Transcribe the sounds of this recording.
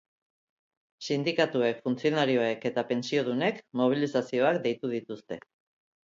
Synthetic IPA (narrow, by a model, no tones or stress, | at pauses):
sind̪ikat̪ue̞kfunt͡sio̞naɾio̞e̞ke̞t̪ape̞nsio̞ðune̞kmo̞β̞ilisasio̞akd̪e̞jt̪uð̞it̪ust̪e̞